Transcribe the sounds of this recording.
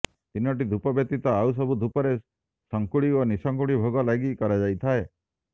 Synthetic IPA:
t̪inɔʈ̬id̪ʱupɔbjɔt̪ːit̪ɔaws̬ɔbʱud̪ʱupɔɾe | sɔŋkuɽionisɔŋkuɽibʱoɡɔlaɡikɔɾad͡ʒajt̪ʰae

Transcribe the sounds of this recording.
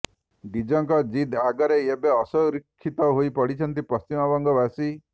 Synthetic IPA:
ɖid͡ʒɔŋkɔd͡ʒid̪aɡɔɾeebeɔsɔwɾikʰːit̪ɔɦoipɔɽit͡ʃʰɔnt̪ipɔst͡ʃimɔbɔŋɡɔbasi

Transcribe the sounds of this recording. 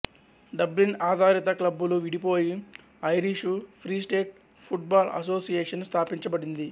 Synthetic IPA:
ɖɐblinaːd̪ʱaːɾit̪ɐklɐbːuluʋiɽipoːji | ɐjɾiʂupʰɾiːsʈeːʈ̚ | pʰuʈ̚baːlɐ̰s̬o̞ːsijeːʂɐnst̪ʰaːpiɲt͡ʃɐbɐɽind̪i

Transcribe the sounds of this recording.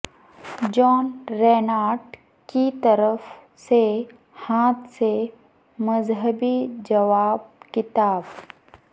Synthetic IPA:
d͡ʒɔːnɾeːnaːʈ | kit̪ɐɾəf | se | hãːt̪ʰse | mɐzɦəbid͡ʒɐʋaːb̚kɪt̪aːb

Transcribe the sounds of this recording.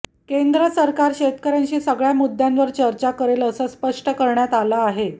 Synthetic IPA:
kend̪ɾəsəɾkaɾɕet̪kəɾjaɲt͡ɕiːsəɡɭjamud̪ʱːjanʋəɾt͡ɕəɾt͡ɕakəɾeləsəːspəʂʈəkəɾɳjat̪aləaɦe

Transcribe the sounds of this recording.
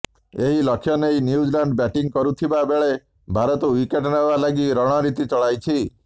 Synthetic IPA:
eɦilɔkʰːjɔnejnjud͡ʒlaɳɖbɛʈiŋkɔɾut̪ʰibabeɭe | bʱaɾɔt̪ɔwikeʈɔnabalaɡiɾɔɽ̃ɔɾit̪it͡ʃɔɭajt͡ʃʰi

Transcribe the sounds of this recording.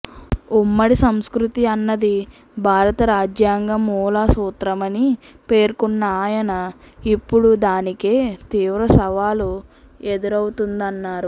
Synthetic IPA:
umːɐɽisɐmskɾut̪iɐnːɐd̪i | bʱaːɾɐt̪ɐɾaːd͡ʒjaːŋɡɐmuːlaːsuːt̪ɾɐmɐni | pe̞ːɾkunːɐaːjɐnɐ | ipːuɽud̪aːnike̞ːt̪iːʋɾɐsɐʋaːlue̞d̪uɾɐwut̪und̪ɐnːaːɾu

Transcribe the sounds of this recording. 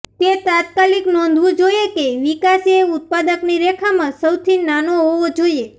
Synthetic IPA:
t̪et̪at̪̚kaliknɔ̃nd̪ʱʋũd͡ʒojekeʋikaseʊt̪̚pad̪əkniɾekʰamãsəwt̪ʰinanoɦoʋod͡ʒoie

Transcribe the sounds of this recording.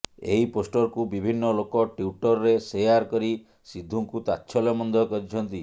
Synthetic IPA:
eɦiposʈɔɾkubibʱinːɔlokɔʈjuʈɔɾɾesejaɾkɔɾi | sid̪ʱːuŋkut̪atːʃʰɔlɔmɔnd̪ʱɔkɔɾit͡ʃʰɔnt̪i

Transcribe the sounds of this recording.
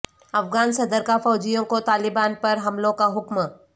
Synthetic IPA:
ɐfɡaːnsɐd̪əɾkafɔːd͡ʒijõkot̪aːlɪbaːnpɐɾɦɐmlõkaɦʊkm

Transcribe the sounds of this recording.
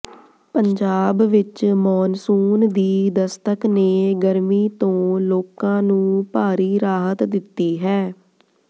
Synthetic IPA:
pəɲd͡ʒaːbʋɪt͡ʃmɔːnsuːnd̪iːd̪əst̪əkneːɡəɾmiːt̪õːloːkãːnũːpaːɾiːɾaːɦət̪d̪ɪt̪ːiːɦɛː

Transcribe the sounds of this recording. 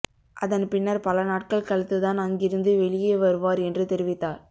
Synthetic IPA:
ʔɐðɐnpɪnːɐɾpɐlɐnaːʈ̚kɐɭkɐɭɐt̪ːɯt̪aːnɐŋɡɪɾɯnd̪ɯʋɛɭɪjeːʋɐɾɯʋaːɾɛndrɯt̪ɛɾɪʋɪt̪ːaːɾ

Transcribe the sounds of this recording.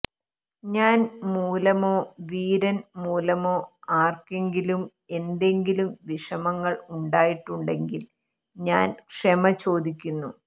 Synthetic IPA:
ɲaːnmuːlɐmo̞ːʋiːɾɐnmuːlɐmo̞ːaːrkeŋɡilum | e̞nd̪e̞ŋɡilumʋiʂɐmɐŋːɐɭuɳɖaːjiʈːuɳɖe̞ŋɡil | ɲaːnkʂemɐt͡ɕo̞ːd̪ikʲːunːu

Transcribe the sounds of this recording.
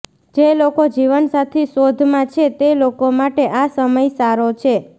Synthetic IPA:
d͡ʒelokod͡ʒiʋənsat̪ʰeʃod̪ʱmãt͡ʃʰet̪elokomaʈeʔasəməjsaɾot͡ʃʰe

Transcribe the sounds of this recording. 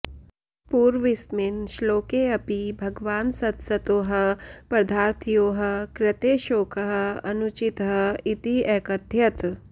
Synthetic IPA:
puːɾʋɪsmɪnʃloːkeːɐpibʱɐɡʋaːnsɐt̪sɐt̪oːɦɐ̆pɾɐd̪ʱaːɾt̪ʰijoːɦɐ̆kɾɪt̪eːʃoːkʰəɦɐɐnʊt͡ʃit̪ɦɐit̪iɛːkɐd̪ʱjɐt̪

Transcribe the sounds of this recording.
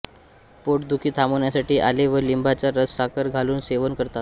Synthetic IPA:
poʈd̪ukʰiːt̪ʰamoɳjasaʈiːʔaleʋəlimbʱat͡saɾəssakəɾɡʱaluːnseʋənkəɾt̪at̪̚

